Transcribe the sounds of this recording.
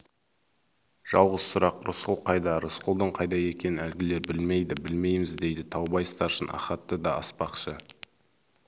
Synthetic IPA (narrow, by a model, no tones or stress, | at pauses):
ʒ̥ɑlˠʁəz̥sʊɾɑqɾʊsqʊlˠqʰɑjd̪ɑɾʊsqʊlˠd̪əɴqʰɑjd̪ɑje̞kʲe̞nɪnælɡʲɪle̞ɾbɪlme̞jd̪ɪbɪlme̞jmɪzd̪e̞jd̪ɪt̪ʰɑwbɑjst̪ɑɾʃənʔɑ̰χɑt̪ːəd̪ɑɑspɑqʃə